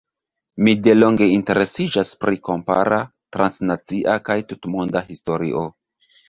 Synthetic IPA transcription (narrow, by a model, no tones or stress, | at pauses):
mide̞lo̞ŋɡe̞inte̞ɾe̞sid͡ʒaspɾiko̞mpa̰ɾa | tɾansnat͡siʔakajtutmondahisto̞ɾḭʔo̞